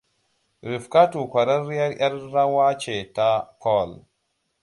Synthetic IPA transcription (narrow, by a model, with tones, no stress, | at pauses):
ɾi˨fka˦tu˨kʷa˨ɾa˦ɾja˦ɾja˦ɾɾa˦wa˦t͡ʃe˨ta˦kʰɔ˦˨l